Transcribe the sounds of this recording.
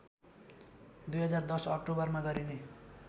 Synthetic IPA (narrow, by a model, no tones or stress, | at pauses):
d̪ujɦʌd͡zard̪ʌsʌkʈobʌrmaɡʌɾine